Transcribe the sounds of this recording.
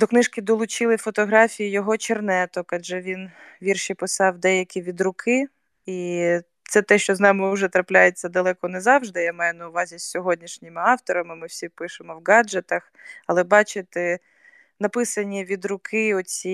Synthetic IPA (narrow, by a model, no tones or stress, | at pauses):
d̪ɔknɪʃkʲɪd̪ɔlˠʊt͡ʃɪlˠɪfɔt̪ɔɦɾɑfʲijijɔɦɔt͡ʃernɛt̪ɔkɐʒɛʋʲinʋʲirʃipɪsɑwd̪ɛjɐkʲiʋʲid̪ɾʊkʰɪ | i | t̪sɛt̪ɛʃt͡ʃɔznɑmɪʊʒɛt̪ɾɐplʲajet͡sʲːɐd̪ɐlˠɛkɔnɛzɑwʒd̪ɪjamɑjʊnɐʊʋɑzʲisʲːɔɦɔdʲnʲiʃnʲɪmɪɑwt̪ɔɾɐmɪmɪwsʲipɪʃɪmɔwɡɑd͡ʒet̪ɐx | ɐlˠɛbɑt͡ʃɪt̪ɪ | nɐpɪsɐnʲiʋʲid̪ɾʊkʰɪɔt͡sʲi